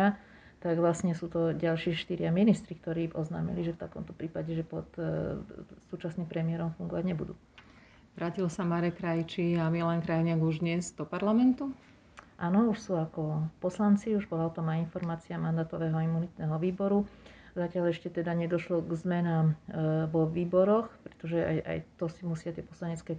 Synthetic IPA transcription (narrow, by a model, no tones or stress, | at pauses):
a | t̪aɡʋlasɲɛsuːt̪ɔɟalʃɪɛʃt̪iɾɪaminist̪ɾikt̪ɔɾiːʔɔzna̰ːmḭliʒɛft̪akɔ̰mt̪ɔpɾiːpaɟɛʒɛpɔt̪ | suːt͡ʃasniːmpɾɛmiɛɾɔmfuŋɡɔʋaɟɲɛbud̪ṵː | ʋɾaːcilɔsamaɾɛkɾajit͡ʃiamiɛlɛnkɾajiɲɪaɡuʒd̪ɲɛzd̪̥ɔpaɾlamɛnt̪u | ʔaːnɔuʃsuːakɔpɔslant͡siuʒbɔlaɔt̪ɔmainfɔɾmaːt͡siamand̪aːt̪ɔʋɛːɦɔaimunit̪nɛːɦɔʋiːbɔɾuzacɪaʎɛʃcɛt̪ɛd̪aɲɛd̪ɔʃlɔɡzmɛnaːmʋɔʋiːbɔɾɔxpɾɛ̥t̪ɔʒɛa̰ja̰jt̪ɔsimusɪat̪ɪɛpɔslaɲɛt͡skɛː